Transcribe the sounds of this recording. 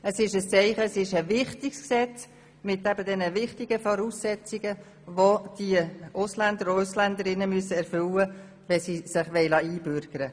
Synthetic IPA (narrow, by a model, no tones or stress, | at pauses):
əsɪʃəst͡sɛɪχəsɪʃəvɪχtɪksksɛt͡s | mɪtːæbədɛnəvɪχtɪɡ̥əfɔɾusːɛt͡sɪɡə | ʋod̥iəʊslænd̪əɾʊslænd̪əɾɪnəmyəsəɛɾfʏlə | ʋɛsisɪχʋɛɪlɑiːbʏɾɡ̥əɾə